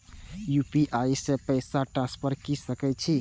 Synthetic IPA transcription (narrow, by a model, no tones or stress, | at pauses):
jupiʔaisẽpəjsaʈɾãspʰəɾkisəkɛt͡ʃʰi